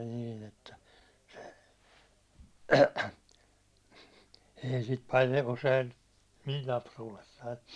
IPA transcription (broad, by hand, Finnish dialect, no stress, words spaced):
niːn etːæ se ei sit pɑljə̆ usein mil lɑpsuːlesːɑi